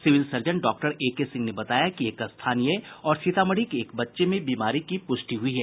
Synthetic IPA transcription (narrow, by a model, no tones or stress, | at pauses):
sɪʋɪlsɐɾd͡ʒə̃ɳɖɔːk̚ʈəɾeːkesɪ̃ŋɡnebɐt̪aːjakieːkɐst̪ʰaːnijeɔːɾʃɪt̪aːməɽ̤ikeːkbɐtːʃemẽbiːmaːɾikipʊʃʈiɦʊiɦɛː